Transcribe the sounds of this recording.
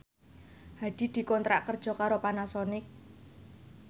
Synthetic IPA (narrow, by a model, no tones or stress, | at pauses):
had̪̥i̤d̪̥i̤kɔnt̪ɾa̰ʔkərd̥ʒ̥ɔ̤kaɾopanasɔnɪk̚